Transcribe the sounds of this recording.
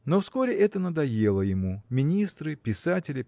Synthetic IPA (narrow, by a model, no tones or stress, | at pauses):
nofsko̞ɾʲɪʔɛt̪ənəd̪ɐje̞lˠəjɪmumʲɪnʲist̪ɾɨpʲɪsatʲɪlʲɪ